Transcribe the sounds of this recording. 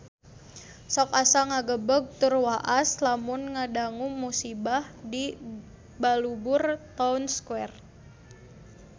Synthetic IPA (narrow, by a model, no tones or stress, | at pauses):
sɔkasaŋaɡəbəɡ̚t̪ʊrwaʔaslamʊnŋadaŋumːusibahdi | balubʊrt̪aunskwɛr